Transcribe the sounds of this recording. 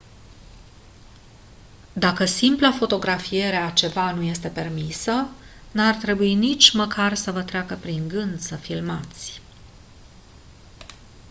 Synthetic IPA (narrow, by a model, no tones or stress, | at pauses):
d̪akəsimplafo̞t̪o̞ɡɾafije̞ɾeat͡ʃe̞vanuje̞st̪e̞pe̞rmisə | nart̪ɾe̞buinit͡ʃʲməkarsəvət̪ɾeakəpɾiŋɡɨnt̪səfilmat̪sʲ